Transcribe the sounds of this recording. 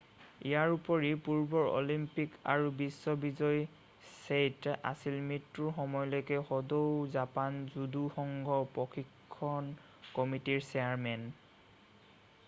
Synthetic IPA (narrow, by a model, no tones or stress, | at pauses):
ijaɹupɔɹipuɹbɔɹo̰limpika̰ɹubisːɔbizɔj | seta̰silmitɹuɹxɔmɔjlɔjkɛxɔdowzapanzuduxɔŋɡʱɔpɹɔxʰikʰːɔn | kɔmitiɹsɛaɹmɛn